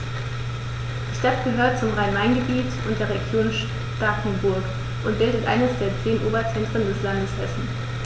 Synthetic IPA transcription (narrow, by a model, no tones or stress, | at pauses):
d̥iːʃtatɡ̥əɦøːɐt̚t͡sʊmʁaɪnvaɪnɡəbiːtʊntd̥eːɐʁ̞eɡjoːnʃ | takn̩bʊɐk | ʔʊnt̚b̥ɪldətʔa̰ɪnəsd̥eːɐt͡seːənʔoːbɐt͡sɛntʁ̥əndɛslandəshɛsn̩